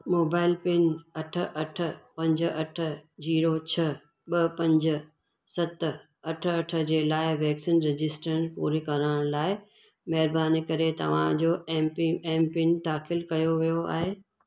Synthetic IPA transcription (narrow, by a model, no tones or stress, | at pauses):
moːbaːɪlpɪnɐʈʰə̆ʔɐʈʰə̆pɐ̃ɲd͡ʑə̆ɐʈʰə̆d͡ʑiːɾot͡ɕʰɐ | ɓɐpɐ̃ɲd͡ʑə̆ | sɐt̪ə̆ | ɐʈʰɐʈʰə̆d͡ʑeːlaːɪʋɛːksiːnɾɪd͡ʑɪsʈəɾənpṵːɾikɐɾəɽ̃laːɪ | mɐɦɪɾbaːnikɐɾet̪ɐ̰ʋ̤ã̰d͡ʑoːɛːmpɛːmpɪnt̪aːkɪlkɐjoʋijoa̰ːɦeː